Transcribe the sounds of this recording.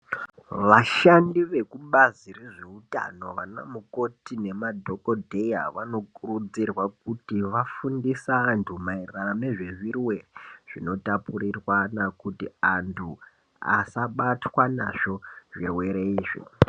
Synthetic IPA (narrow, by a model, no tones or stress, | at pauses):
ʋaʃandiʋe̞kuɓazireʐeuta̰no̞ʋana̰muko̞tine̞madʱo̞kodʱe̞ja̰ʋano̞kurud͡zirwak̚utiʋafundisaːntʰumairrameʐe̞ʐirwe̞reʐ̥ino̞tapurirwanakutiantʰu | a̰saɓatwana̰ʐo̞ʐirweɾeiːʐḭ